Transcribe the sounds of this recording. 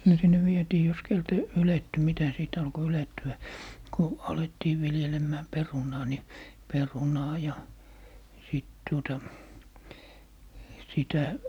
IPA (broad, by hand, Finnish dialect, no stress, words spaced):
no sinːe ʋietiː jos keltæ yletːy mitæ siˑt ɑlko yletːyæ ku ɑletːiː ʋiljelemːæː perunɑː ni perunɑː jɑ siˑt tuotɑ sitæ